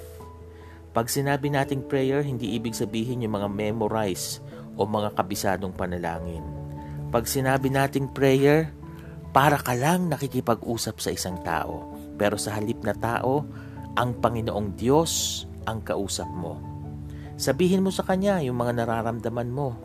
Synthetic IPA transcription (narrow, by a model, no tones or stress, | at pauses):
pɐɡsɪnaːbɪnaːt̪ɪŋpɹɛjɛɹɦɪnd̪iːʔiːbɪɡ̚sɐbiːɦɪnjʊŋmɐŋamɛmoɾajs | ʔo̞mɐŋakɐbɪsaːd̪o̞ŋpɐnɐla̰ːŋɪn | pɐɡsɪnaːbɪnaːt̪ɪŋpɹɛjɛɹ | paːɾɐkɐlaŋnɐkikɪpɐɡʔuːsɐpsɐʔɪsaŋt̪a̰ːʔo̞̰ | pɛːɾo̞sɐhɐlɪp̚nɐt̪a̰ːʔo̞ | ʔɐŋpɐŋɪnoʔo̞ŋd̪jo̞s | ʔɐŋkɐʔuːsɐp̚mo̞̰ | sɐbiːɦɪnmo̞sɐkɐɲajʊŋmɐŋanɐɾaːɾɐmd̪ɐmanmo̞